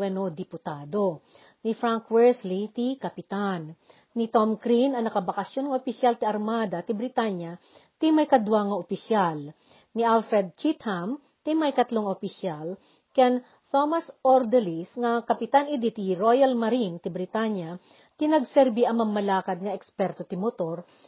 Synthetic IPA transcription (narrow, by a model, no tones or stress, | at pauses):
wɛnod̪ɪpʊt̪aːd̪o̞ | nɪfɾaŋkwɛɹslit̪ikɐpɪt̪anː | ɪt̪omkɾinɐŋnɐkɐbɐkɐsjonŋɐʔopɪsjalt̪ɪɐɾmaːd̪ɐt̪ɪbɾɪt̪aɲjɐt̪imɐjkɐd̪waŋɐʔopɪsjal | nɪʔalfɾɛd̪̚t͡ʃit̪ham | t̪ɪmɐjkɐt̪loŋopɪsjal | kan | t̪omɐsʔoɾd̪ɛlisŋɐkɐpɪt̪anɪd̪it̪iɾojɐlmɐɾint̪ɪbɾɪt̪aɲja | t̪ɪnɐɡsɛɾbiʔɐŋmɐmːɐlaːkɐd̪̚ŋɐɛkspɛɾt̪ot̪ɪmot̪o̞ɾ